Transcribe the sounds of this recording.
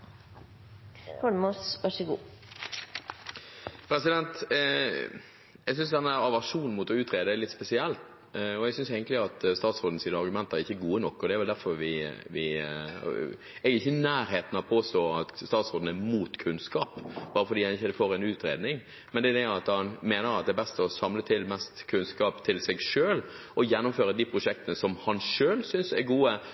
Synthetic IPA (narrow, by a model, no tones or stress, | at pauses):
hɔɳmusʋɑʂəɡṵː | pʰɾɛsɪd̪ɛnt̪ | ɛɡs̬ʏnsd̪ɛnːæːɾɑʋæʂuːnn̩mʊt̪ɔʉːt̪ɾeːd̪əæɾlɪt̪spɛsɪɛlt̪ | ɔɛɡsʏnseːɡənt̪lɪɑt̪st̪ɑːt̪sɾoːd̪nəsiːnəɑɾɡʉmɛnt̪əɾɾɪçːəɡuːənɔkːɔd̪ɛæɾʋɛld̪æɾfɔɾʋɪʋɪ̰ | ɛɡəɪçːənæːɾɦeːt̪ən̩ɑʋpʰoːst̪oːɑt̪st̪ɑːt̪sʁoːd̪n̩ɛmuːt̪kʰʉnskɑːpb̥ɑːɾəfɔd̪iːhɑnɪçəd̪ɛfoːɾɛnʉːt̪ɾeːd̪nɪŋ | mɛnd̪ɛd̪ɛɑt̪hɑnmeːnəɾɑt̪̚d̪ɛɛbɛst̪əɔsɑmlət̪ʰɪlmɛst̪kʰʉnskɑːpt̪ʰɪlsɛɡʂøːl | ɔjɛnːʊmføːɾəd̪iːpʰɾʊʂɛk̚t̪ənəsɔmhɑnʂøːlsʏnsæɾɡuːə